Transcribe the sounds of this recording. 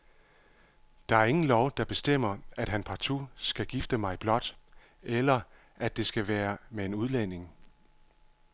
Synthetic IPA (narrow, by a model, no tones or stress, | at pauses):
d̥ɑ̈æɐe̝ŋn̩lɒʊd̥ɑ̈b̥e̝sd̥em̰ɐæd̥ɦænpʰɑ̈t͡sʰusɡ̥æɡ̥ifd̥əmɑ̈ɪb̥lɒ̽d̥ | elɐ | ʔæd̥e̝sɡ̥æʋæːɐmee̝nuðˠlen̰e̝ŋ